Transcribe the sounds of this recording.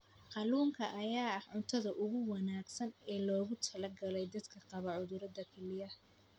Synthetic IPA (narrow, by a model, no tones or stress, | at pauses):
qɑluːŋkʰɐʔːjaːɐħʕʊnt̪ʰɐðɐʔʊɣʊwɑnaːɡsɐnɛːlɔːɣʊt̪ʰɐlɐɡɐlɛjd̪ɐd̪kʰɐqɑβɐʕʊðʊɾɐd̪ɐkʰɛlɪjɐ